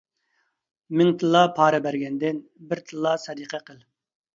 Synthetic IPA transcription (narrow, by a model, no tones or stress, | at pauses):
mɪŋt̪ʰɨlˠːɑpʰɑːɾɨbæɾɡʲɛnd̪ɪnbɪɾt̪ʰɨlˠːɑsɛd̪iqʰɛqʰəlˠ